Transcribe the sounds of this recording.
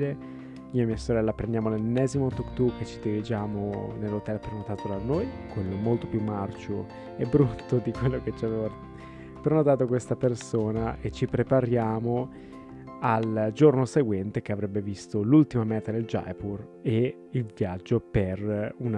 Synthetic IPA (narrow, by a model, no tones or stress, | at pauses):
e | miːamiːasoɾɛlːapɾẽnd̪jaːmolenːɛzimot̪ukt̪uk̟ːet͡ʃːid̪iɾid͡ʒaːmonelːot̪ɛlpeɾonot̪aːt̪od̪anːojkwelːomolt̪opjumːart͡ʃo | ɛbːɾut̪ʰːod̪ikwelːoket͡ʃːiaveva | peɾnot̪aːt̪̬okwest̪apersoːnaʔet͡ʃːipɾepaɾjaːmo | ald͡ʒornoseɡwɛnt̪ek̟eavɾɛbːevist̪olult̪imamɛːt̪ad̪eld͡ʒa̰jpur | e | ilvjad͡ʒːoperun